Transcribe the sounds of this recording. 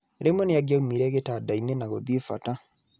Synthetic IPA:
eɾemwɛneaɡaumiɾɛɣetadainenaɣoðiefa̰ta

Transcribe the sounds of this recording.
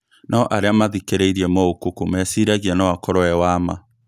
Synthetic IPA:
nʔaɔʔaɾeamaðikeɾeiɾiɛmɔokokomɛsiɾaɣiɛnawakɔɾɔɛwama

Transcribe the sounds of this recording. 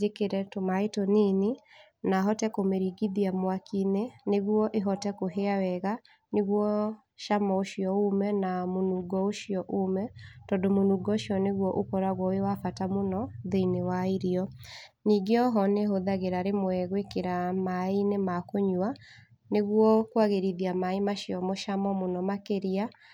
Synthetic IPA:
ekeɾɛtomaetonine | naɦɔtɛkomeɾiɡiðiamwakineneɣwɔʔeɦɔtɛkoɦeawɛɣa | neɣwɔ | ʃamaoʃiɔomɛnamonuːɡɔoʃijɔʔomɛtɔdomonuːɡɔʃiɔneɣwɔʔokɔɾaɣwɔewafatamonɔðeinewaiɾiɔ | niːɡeɔɦɔneɦoðaɣeɾaɾemoɛɣwekeɾamainemakoɲwa | neɣwɔkwaɣeɾiðiamaimaɕiɔmoʃamɔmonɔmakeɾia

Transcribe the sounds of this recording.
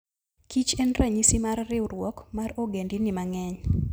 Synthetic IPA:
kit͡ʃɛnraɲisimarːɪwrwɔkmaroɡendinɪmaŋɛɲ

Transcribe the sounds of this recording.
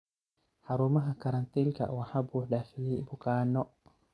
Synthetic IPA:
ħɑɾuːmɐɦɐkʰɐɾɐnt̪ʰiːlkʰɐ̰wɑħaːbuːħɖaːfɪlɛjbʊkʰaːnɔ

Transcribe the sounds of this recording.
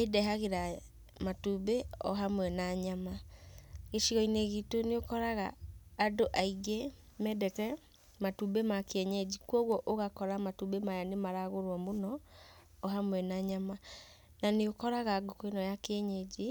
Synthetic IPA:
edɛɦaɣeɾa | matubeɔɦamwɛnaɲama | ɣeʃiɣɔineɣitoneokɔɾaɣa̰ːdoʔaiɣe | mɛdɛkɛ | matubemakeɛɲɛd͡ʒikwɔɣwɔʔoɣakɔɾamatubemajanemaɾaɣoɾwɔmonɔː | ɦamwɛnaɲama | naneokɔɾaɣaɡokoinɔjakɛɲɛd͡ʒe

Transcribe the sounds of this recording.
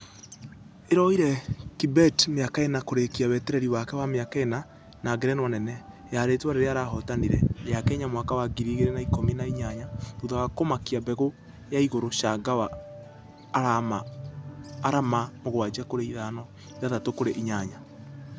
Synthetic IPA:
eɾɔiɾɛkibɛtmeakaenakoɾekiaβɛtɛɾɛɾiwakɛwameakaena | naɡeɾɛnwanɛnɛ | jaɾetwaɾeɾeaɾaɦɔtaniɾɛjakɛɲamwakawaɡiɾiɣeɾenaikominaiɲaɲaðoðawakomakiabɛɣo | jaiɣoɾoʃaɡawaː | ɾamaː | ɾamamoɣwad͡ʒakoɾeiðanɔ | iðaðatokoɾeʔiɲaɲa

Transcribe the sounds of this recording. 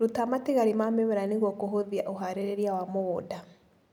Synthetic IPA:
ɾotamateɣaɾimamemeɾaneɣwɔkoɦoðiaʔoɦaɾeɾeɾiawamoːda

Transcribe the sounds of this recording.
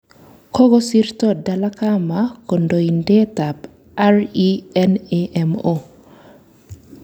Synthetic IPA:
kɔɡɔsiɾt̪odalakamakondoindɛtab | aɾiɛneʔɛmo

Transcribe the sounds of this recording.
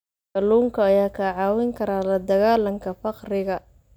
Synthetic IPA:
kɐluːŋkʰɐɐjaːkʰɐʕɑːwɪŋkʰɐɾaːlɐd̪ɐɣaːlɐŋkʰɐfɑqrɪɣɐ

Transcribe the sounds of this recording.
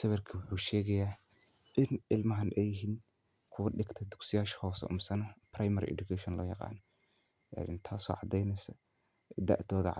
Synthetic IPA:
sɐβɛrkʰɐwʊħuːʃɛːɣɐjaː | ʔɪnʔɪlmɐɦɐnʔɛjɪɦiːn | kʰʊwɐɗɪɡt̪ʰɐd̪ʊɡsɪjaːʃɐ̥hɔːsɐ̰ʔʊ̰msɐnɐprajmɐɾḭʔɛ̰dʊkʰɛʃɔnlɔ̰ːjɑqɑ̰ːnɔ | a̰nɪ̰nt̪ʰaːsɔ̰ːʕɑd̪ɛjnɛsɐ | d̪ɐ̰ʔd̪ɔːðɐ̰ʕ

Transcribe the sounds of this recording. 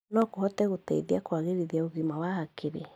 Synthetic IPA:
nɔkohɔtɛɣotɛ̰iðiakwaɣeɾiðiaoɣimawahakeɾe

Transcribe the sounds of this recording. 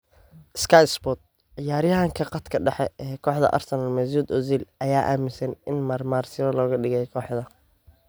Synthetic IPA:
ʔɪskʰajspɔt̪̚ | ɪjaːɾjɐɦɐŋkʰɐqɑt̪kʰɐɖɐħɛɛːkʰɔːħd̪ɐ̰ʔɐ̰rsɐnɐlmɛzuːd̪ɔziːlʔɐjaːʔa̰ːmɪsɐnɪnmɐːrmaːrsɪβɐlɔːɣɐɖɪɣɛjkʰɔːħd̪ɐ

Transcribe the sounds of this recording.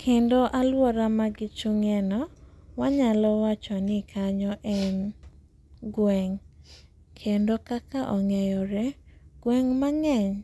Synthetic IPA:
kʰendoʔalwɔɾamaɡɪt͡ʃuŋɛnɔwaɲalɔwat͡ʃɔnɪkʰaɲɔʔɛn | ɡwɛŋ | kʰendokakaʔɔŋɛjɔɾɛɡ̥wɛŋmaŋɛɲ

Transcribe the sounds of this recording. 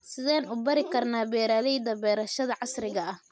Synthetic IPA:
sɪðɛːnʊbɐɾɪkʰɐrnaːbɛːɾaːlɛjd̪ɐbɛːɾɐʃɐðɐʕɑsrɪɣɐɐh

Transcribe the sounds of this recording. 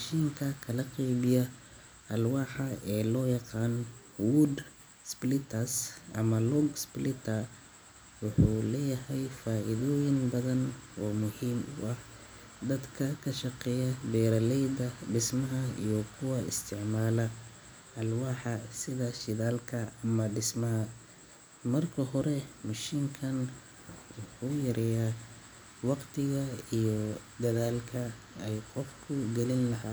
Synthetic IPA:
ʃiːŋkʰɐkʰɐlɐqijβɪjɐ | ʔɐlwɑːħɐɛːlɔːjɑqɑːn | wʊd̪ | splɪt̪ʰɐsʔɐ̰mɐlɔɡsplɪt̪ʰɐ | wʊħuːlɛːjɐɦɛjfaːʔɪðɔːjɪnbɐðɐnɔːmʊhiːmʊ̰ʔɐh | d̪ɐd̪kʰɐkʰɐʃɑqɛːjɐbɛːɾɐlɛjd̪ɐɖɪsmɐɦɐḭjɔkʰʊwɑɪ̰st̪ʰɪʕmaːlɐ | ʔɐlwɑːħɑsɪðɐʃɪðaːlkʰɐmɐɖɪsmɐɦɐ | mɐrkʰɐɦɔɾɛmɐʃiːŋkʰɐn | ʊħʊjɐɾʔɛjaː | wɑqt̪ʰɪɣɐijɔd̪ɐðaːlkʰɐ | ɛjqɔfkʰʊɡɛlɪnlɐɦaː

